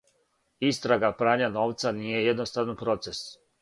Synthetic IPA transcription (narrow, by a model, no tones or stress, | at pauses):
ist̪ɾaɡapɾaːɲano̞ːʋt̪saniːje̞jed̪nost̪aʋnopɾo̞t̪se̞s